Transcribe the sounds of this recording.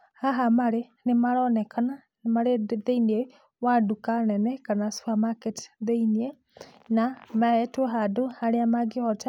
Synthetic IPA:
haɦamaɾe | nemaɾɔnɛkʰana | nemaɾeðeinie | wadukanɛnɛkanasu̥amakɛti̥ðɛiniɛ | namaɛtwɔɦadohaɾeamaɡeɔta

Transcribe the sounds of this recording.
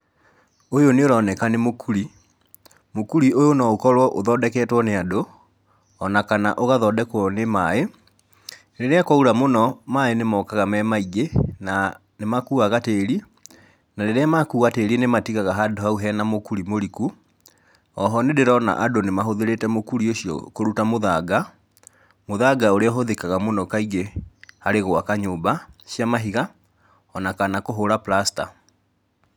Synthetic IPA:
ojoneoɾɔːnɛkanemokʰuɾi | mokuɾiojonɔokɔɾwɔʔoðɔdɛkɛtwɔneado | ɔnakana̰ʔoɣaðɔdɛkwɔnemae | ɾeɾeakwɔuɾamonɔmaenemɔːkaɣamɛmaiɡena | nemakuaɣateːɾi | naɾeɾeamakuɣateːɾienematiɣaɣaɦadohauɦɛːnamokuɾimoɾiku | ɔɦɔnedeɾɔna̰ʔadonemaɦoðeɾetɛmokuɾioɕijɔ̰koɾutamoðaɡa | moðaɡaoɾeɔɦoðekaɣamonɔkaiɡehaɾeɣoakaɲoːbaɕjamaɦiɣa | ɔnakanakoɦoɾaplasta̰

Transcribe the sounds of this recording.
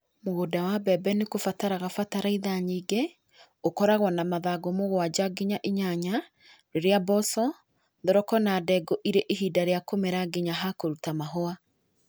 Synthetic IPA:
moɣodawabɛbɛnekofataɾaɣafataɾaiðaɲiːɡe | okɔɾaɣwɔnamaðaɡomoɣwad͡ʒaɡiɲaʔiɲaɲa | ɾeɾeabɔsɔ | ðɔɾɔkɔnadɛɡoʔiɾeʔiɦidaɾeakomeɾaɡiɲaɦakoɾutamaɦoa

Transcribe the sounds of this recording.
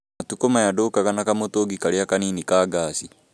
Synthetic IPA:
atukomajadokaɣanakamotoɡikaɾeakaniːnikaːɡasi

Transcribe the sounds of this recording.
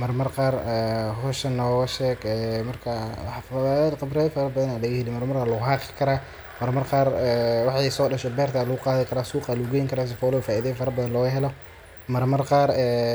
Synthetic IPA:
mɐrmɐrqɑːrɛhɔʃɐnɔːɣɐʃɛːɡɛːmɐrkʰɐfd̪qɑbɾɛːðɐfɐɾɐbɐðɐnaːlɐɣɐhɪlɪmɐrmɐraːlɐɣʊɦɑːqɪ̥kʰɐɾaː | mɐrmɐrqɑːrɛwɑħɑjsɔːɗɐʃɛbɛːrt̪ʰaːlɐɣʊqɑːðɪkʰɐɾaːsuːqɑːlɐʊɡɛːjɪŋkʰɐɾaːs̬ɪfɔːlɔfaːʔiðɛːjfɐɾɐbɐðɐnlɔːɣɐɦɛlɔ | mɐrmɐrqɑːrɛː

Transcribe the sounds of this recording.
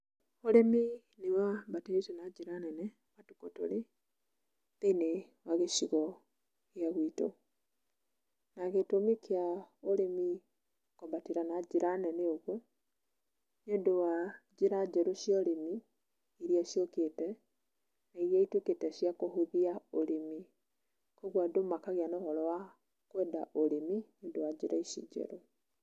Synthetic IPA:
oɾemi | newabateesenad͡ʒiɾanɛnɛ | matukoto̰ɾe | tene | waɣeʃiɣɔ | ɣjaɣwito̰ | naɣetomikʰeaoɾemi | kɔbatiɾanad͡ʒiɾanɛnɛoɣwɔ | ɲodowad͡ʒeɾad͡ʒɛɾoʃjɔɾemi | iɾiaʃjokeːtɛ | naiɾiaituketɛʃjakohuðiaoɾemi | koɣwadomakaɣeanɔhɔɾɔwa | kwɛdaʔoɾemiɲodowad͡ʒeɾaiʃḭd͡ʒɛ̰ɾo

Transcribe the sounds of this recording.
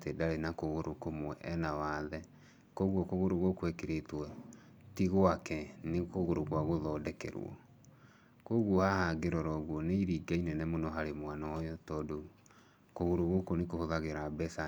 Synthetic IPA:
tedaɾenakoɣoɾokomwɛʔɛnawaðɛ | koɣwɔkoɣoɾoɣokwɛkeɾetwɛ | tiɣoakɛnekoɣoɾoɣwaɣoðɔːdɛkɛ̰ɾw̰ɔ̰ | koɣwɔhahaɡeɾɔɾɔɣwɔneiɾiːɡainɛnɛmonɔɦaɾemwanɔjɔtɔːdo | koɣoɾoɣokonekohoðaɣeɾabɛsa

